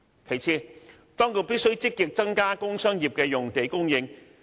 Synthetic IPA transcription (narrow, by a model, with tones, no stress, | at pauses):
kʰe˨˩jt͡sʰiː˧ | t̪ɔː˥ŋkʰo˧wpi˥t̚sɵ˥ɥt͡sɪ˥k̚ːi˨k̚t͡sɐ˥ŋkaː˥kʊ˥ŋsœː˥ŋjiː˨p̚kɛː˧jʊ˨ŋt̪e˨˥jkʊ˥ŋjɪ˧ŋ